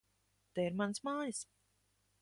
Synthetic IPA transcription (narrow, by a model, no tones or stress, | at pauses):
t̪eiɾmansmaːjas